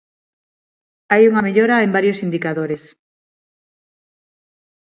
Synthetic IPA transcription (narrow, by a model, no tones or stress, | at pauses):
ajuŋameʎoɾaembaɾjosind̪ikaðoɾes